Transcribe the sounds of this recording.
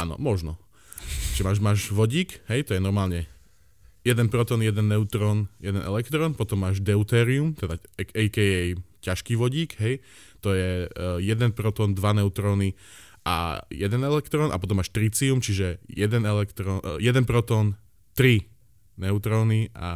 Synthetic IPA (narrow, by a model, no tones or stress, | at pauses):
ʔa̰ːnɔ̰mɔʒnɔ | ʒ̥ɛmaːʒmaːʒʋɔɟiːkɦɛjt̪ɔjɛnɔɾmaːlɲɛ | jɛd̪ɛnpɾɔt̪ɔːnjɛd̪ɛnːɛut̪ɾɔːnjɛd̪ɛnʔɛ̰lɛkt̪ɾɔːnpɔt̪ɔmːaːʒd̪ɛut̪ɛːɾiumt̪ɛd̪aɛɛjkɛɛjcaʃkiːʋɔɟiːkɦɛj | t̪ɔjɛjɛd̪ɛnpɾɔt̪ɔːnd̪ʋanɛʊt̪ɾɔːni | ʔa̰jɛd̪ɛnɛlɛkt̪ɾɔːnʔapɔt̪ɔmːaːʃt̪ɾit͡siumt͡ʃiʒɛjɛd̪ɛnɛlɛkt̪ɾɔjɛd̪ɛnpɾɔt̪ɔːn | t̪ɾi | nɛʊt̪ɾɔːniʔa̰